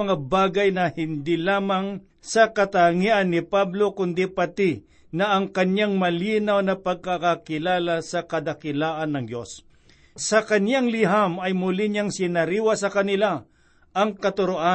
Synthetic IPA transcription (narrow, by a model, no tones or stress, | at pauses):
ɐŋabaːɡɐjnɐhɪnd̪ilaːmaŋ | sɐkɐt̪aŋiʔɐnːɪpablo̞kʊnd̪ipɐt̪ɪ | nɐʔɐŋkɐɲjaŋmɐlinawnɐpɐɡ̚kakakɪlaːlasɐkɐd̪ɐkɪlaːʔɐnːɐŋd͡ʒos | sɐkɐnaŋlɪɦamɐjmʊlɪɲaŋsɪnɐɾiːwasɐkɐnɪla | ʔɐŋkɐt̪ʊɾoʔa